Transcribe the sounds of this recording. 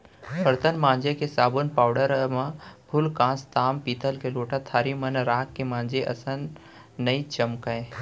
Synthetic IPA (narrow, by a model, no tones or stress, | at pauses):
pʰəɾt̪ənmãːnd͡ʒekesaːbunpaːʊɖəɾmãbʱʊlkãːst̪aːmpiːt̪əlkeloːʈat̪ʰaːɾimənɾaːkːemãːnd͡ʒeʔɐsənː | ɐit͡ʃɐmkaẽ